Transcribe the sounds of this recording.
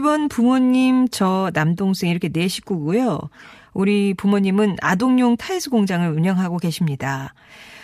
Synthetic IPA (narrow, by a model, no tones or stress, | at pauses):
iiɭbʌnpumoɲːimt͡ɕʌnamdoŋs͈ʰeŋiɾʌkʰe̞ne̞ɕʰi̥k͈uɡujo | uɾipumoɲːimɯna̰doŋɲoŋtʰaisʰɯɡoŋd͡ʑaŋɯɾuɲʌŋɦaɡoke̞ɕʰimɲida